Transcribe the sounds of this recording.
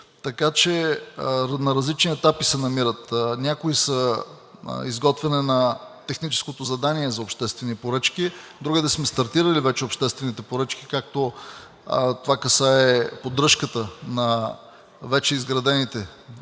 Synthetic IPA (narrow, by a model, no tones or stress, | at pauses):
t̪ɐkat͡ʃɛ | nɐɾɐzlit͡ʃniɛt̪apisɛnɐmiɾət̪nʲakoisə̰ | izɡɔt̪vɛnɛnɐt̪ɛxnit͡ʃɛ̥skot̪ozɐd̪aniɛzɐopʃt̪ɛst̪vɛnipoɾɤt͡ʃk̟id̪ɾuɡəd̪ɛsmɛst̪ɐɾt̪iɾəlivɛt͡ʃɛopʃt̪ɛst̪vɛnit̪ɛpoɾət͡ʃki̥kak̚t̪o | t̪ovakɐsaɛpod̪ɾɤʃkət̪ənɐ | vɛt͡ʃɛizɡɾɐd̪ɛnit̪ɛ